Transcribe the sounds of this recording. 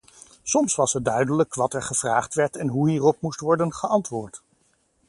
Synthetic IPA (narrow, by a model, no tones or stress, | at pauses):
sɔmsʋɑsəd̚dœɥdələkʋɑtɛɹχəv̥raːχtʋɛɹtɛnɦuɦiːrɔp̚mustʋɔɹdənχəʔɑntʋʊːɹt